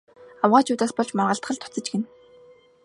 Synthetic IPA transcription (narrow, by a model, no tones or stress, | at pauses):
awʁaːt͡ɕʰuːt̪aːspɔɮt͡ɕmarʁə̆ɬt̪χə̆ɮt̪ʰɔ̥t͡sə̆t͡ɕɡen